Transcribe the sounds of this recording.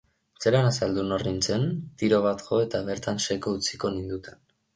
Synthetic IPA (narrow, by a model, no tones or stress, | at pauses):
t͡se̞ɾanasald̪unorint͡se̞nt̪iɾo̞β̞at̪ko̞e̞t̪aβe̞ɾt̪anse̞kout͡siko̞nind̪ut̪en